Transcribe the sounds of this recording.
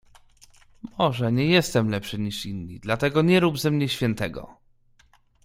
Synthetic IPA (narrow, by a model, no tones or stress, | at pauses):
mɔʐɛɲɛjɛst̪ɛmlɛpʂɘɲiʂinːɲid̪lat̪ɛɡɔɲɛɾubzɛmɲɛɕfʲjɛnt̪ɛɡɔ̰